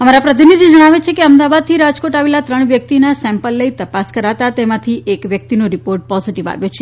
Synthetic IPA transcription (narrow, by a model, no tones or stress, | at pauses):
əmaɾapɾət̪̬inid̪d͡ʒəɽ̃aʋet͡ʃʰekeəmd̪aʋad̪̚t̪ʰiɾad͡ʒkoʈaʋelat̪ɾəɳ̃ʋjək̚t̪inasɛ̃mpəlːəit̪əpaskəɾat̪at̪emãt̪ʰiʔekʋjək̚t̪inoɾipoɾʈ̚pɔziʈiʋa̰ʋjot͡ʃʰe